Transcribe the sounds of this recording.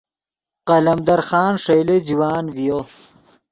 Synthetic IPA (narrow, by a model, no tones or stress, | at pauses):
qɐlɐmd̪ɐɾxɑːnʂɐjled͡ʑiwaːnvijo